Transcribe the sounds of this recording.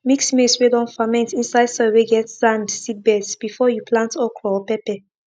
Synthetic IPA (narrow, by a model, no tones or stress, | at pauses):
miksmiswedɔ̃nfamɛ̃ntĩnsaɪdsɔweɡɛtsãndsid̚bɛdsb̥ifɔjuplãntɔkʰɹɔpɛpɛ